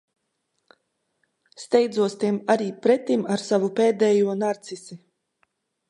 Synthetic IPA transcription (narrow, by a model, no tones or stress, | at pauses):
st̪ɛjd̪zuɔst̪imaɾiːpɾɛt̪imaɾsavupeːd̪ɛːjuɔnaɾt̪sisi